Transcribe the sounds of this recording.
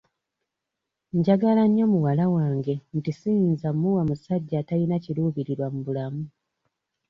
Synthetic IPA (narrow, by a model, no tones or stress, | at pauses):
ɲɟaɡalaɲːo̞muwalawaːŋɡe̞ntisijinzamːuwamusaɟːaːtalinaciluːβiɾiɾwamuβulamu